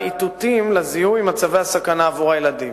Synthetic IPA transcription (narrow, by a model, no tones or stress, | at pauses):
it̪ut̪imlezihujimat͡save̞jasakanaːvuʁajelad̪i